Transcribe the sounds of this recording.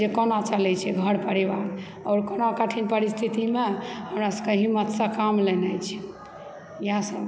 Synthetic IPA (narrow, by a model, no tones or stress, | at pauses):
d͡ʒekənat͡ʃəlɛt͡ʃʰɛɡʱəɽpəɾiʋaɾ | ɔːɾkənakəʈʰinpəɾist̪ʰit̪imehəmɾasəkeɦimːət̪sə̃kamlenajt͡ʃʰɛ̥ | jasəb